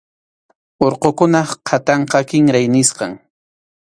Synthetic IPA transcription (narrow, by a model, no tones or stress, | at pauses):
oɾqokʊnɑqʰat̪ɑɴqɑkɪŋɾajnɪsqɑ̰ŋ